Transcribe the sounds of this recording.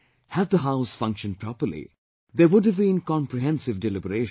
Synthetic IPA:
hæd̪̚d̪əɦaʊsfʌ̃ŋkʃə̃nɖ̚pʰɾɔpəɾlḭ | d̪ewʊɖəvbĩnkɑ̃mpɾiɦɛ̃nsɪvɖɛlɪbəɾeːʃ

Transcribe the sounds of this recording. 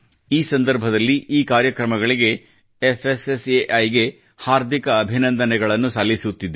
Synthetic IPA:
iːsɐnd̪ɐɾbʱɐd̪ɐlːiʔiːkaːɾjɐkɾɐmɐɡɐɭiɡe̞ | efʰeseseʔɐjɡe̞ | haːɾd̪ʱikɐːbʱinɐnd̪ɐnɛɡɐɭɐnːusaːlːisut̪ːid̪e

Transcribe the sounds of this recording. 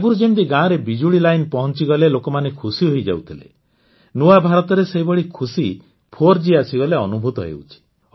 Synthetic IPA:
ɡuɾud͡ʒemd̪iɡãɾebid͡ʒuɽilajnpɔɦɔnt͡ʃiɡɔlelokɔmanekʰusiɦojd͡ʒa̰wt̪ʰilḛ | nuabʱaɾɔt̪ɔɾeseɦibɔɽikʰusi | pʰoɾd͡ʒiasiɡɔleɔnubʱut̪ɔɦḛwt͡ʃʰi̥

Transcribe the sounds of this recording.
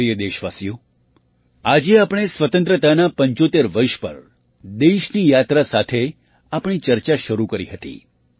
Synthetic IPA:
ɾijəd̪eʃʋasijũ | ad͡ʒeapɽ̃esʋət̪ə̃nt̪ɾət̪anapəɲt͡ʃot̪eɾʋəɾʃpə̰ɾ | d̪eʃnijat̪ɾasat̪ʰe | apɽ̃it͡ʃəɾt͡ʃaʃəɾukəɾiɦət̪ḭ

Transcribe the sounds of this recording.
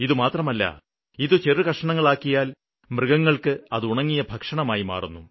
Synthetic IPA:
iðumaːt̪rɐmɐlːɐ̰ | iðɨt͡ɕerɨkɐʂɐɳɐŋːɐɭaːkːijaːl | mrɨɡɐŋːɐɭkɨɐðɨuɳɐŋːijɐbʱɐkʂɐɳɐmaːjima̰ːrunːu

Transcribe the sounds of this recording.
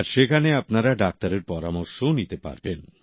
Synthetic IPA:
aɾʃekʰaneapnaɾaɖak̚t̪aɾeɾpɔɾamoɾʃonit̪epa̰ɾben

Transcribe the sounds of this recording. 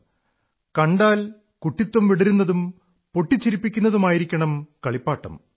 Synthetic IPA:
kɐɳɖaːl | kuʈːit̪ːwɐmʋiɽɐɾunːɐðum | po̞ʈːit͡ɕːiɾipːikʲːunːɐðumaːjiɾikʲːɐɳɐmkɐɭipːaːʈːɐ̰m

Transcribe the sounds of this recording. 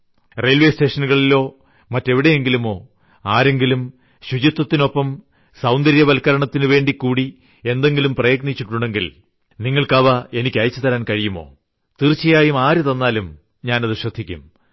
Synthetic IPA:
rejlʋe̞ːste̞ːʂɐnuɣɐɭilːo̞ː | mɐtːe̞ʋiɽe̞je̞ŋɡilumo̞ː | aːɾe̞ŋɡilum | ɕut͡ɕit̪ːɐt̪ːino̞pːɐm | sɐwnd̪ɐɾjɐʋɐlkɐɾɐɳɐt̪ːinɨʋe̞ːɳɖikːuːɽi | e̞nd̪e̞ŋɡilumprɐjɐɡnit͡ɕːiʈːuɳɖe̞ŋɡil | niŋːɐɭkɐʋɐe̞nikʲːɐjɐt͡ɕːɨt̪ɐɾaːnkɐɻijumo̞̰ː | t̪irt͡ɕːijaːjumaːɾut̪ɐnːaːlum | ɲaːnɐðɨɕrɐd̪ʱːikʲːṵm

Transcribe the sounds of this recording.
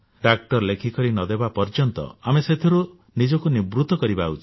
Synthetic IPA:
ɖak̚ʈɔɾlekʰikɔɾinɔd̪ebapɔɾd͡ʒɔnt̪ɔ̰ameset̪ʰiɾu | nid͡ʒɔkunibɾut̪ɔkɔɾibaut͡ʃʰi̥

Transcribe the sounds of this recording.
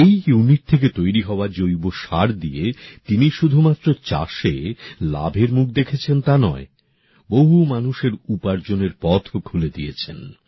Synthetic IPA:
ejjuniʈ̚t̪ʰek̬et̪ojɾiɦɔoad͡ʑojboʃaɾd̪iet̪iniʃud̪ʱumat̪ːɾot͡ɕa̰ʃela̰bʱeɾmuk̚ʰd̪ekʰet͡ɕʰent̪anɔe | boɦumanuʃeɾupaɾd͡ʑoneɾpɔt̪ʰokʰuled̪ijet͡ɕʰḛn

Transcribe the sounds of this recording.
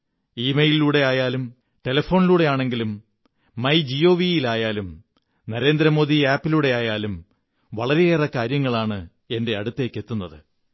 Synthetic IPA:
iːmejliluːɽe̞aːjaːlum | ʈe̞lɐfo̞ːniluːɽe̞jaːɳe̞ŋɡilumː | ɐjd͡ʑio̞ːʋijilaːjaːlum | nɐɾe̞ːnd̪ɾɐmo̞ːðiaːpːiluːɽe̞aːjaːlum | ʋɐɭɐɾejeːrɐkːaːɾjɐŋːɐɭaːɳɨ | e̞nde̞ɐɽut̪ːe̞ːkːe̞t̪ːunːɐðɨ

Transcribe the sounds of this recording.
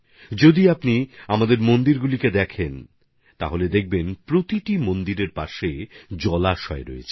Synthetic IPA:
d͡ʑod̪iapniamad̪eɾmond̪iɾɡuliked̪ɛkʰen | t̪aɦoled̪ek̚ʰbenpɾot̪iʈimond̪iɾeɾpaʃed͡ʑɔlaʃɔeɾɔ̰ḛt͡ɕʰe

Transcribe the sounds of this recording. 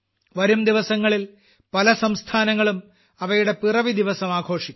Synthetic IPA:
ʋɐɾumd̪iʋɐsɐŋːɐɭil | pɐlɐsɐmst̪ʰaːnɐŋːɐɭum | ɐʋɐjuɽe̞pirɐʋid̪iʋɐsɐmaːɡʱo̞ːʂikʲː

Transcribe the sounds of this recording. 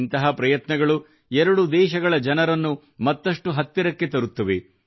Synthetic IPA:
nt̪ɐɦɐpɾɐjɐt̪nɐɡɐɭu | ɛɾɐɽud̪ɛːʃɐɡɐɭɐd͡ʒɐnɐɾɐnːu | mɐt̪ːɐʂʈuɦɐt̪ːiɾɐkːe̞t̪ɐɾut̪ːɐʋe

